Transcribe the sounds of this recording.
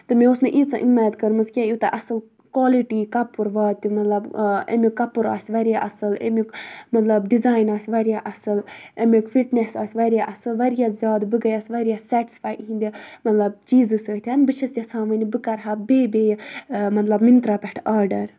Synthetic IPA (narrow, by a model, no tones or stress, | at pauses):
t̪ɨmẽosnɨʔit͡saʔimːajd̪kɐɾmɨzkʲãjut̪ɐ̰ʔɐsɨl | koːliʈiːkɐpːuɾʋaːt̪ːimɐt̪lɐbḛmikːɐpːuɾa̰ːsʲʋɐɾjaʔɐsɨlḛmikmɐt̪lɐbɖizaːjnaːsʲʋɐɾjaʔɐsɨlemikfiʈnesa̰ːsʲʋɐɾjaʔɐsɨlʋɐɾjazʲjaːd̪bɨɡɐjaːsʲʋɐɾʲjaːsɛːʈi̥sfaːjɦĩnd̪ʲimɐt̪lɐb̚t͡ʃiːzɨsəːt̪ʰʲɐnbɨt͡ʃʰɐst̪jɐsʰãːʋɐnibɨkɐɾɦabeːbeːjmɐt̪lɐbmint̪ɾaːpɛʈʰaːɾɖɐɾ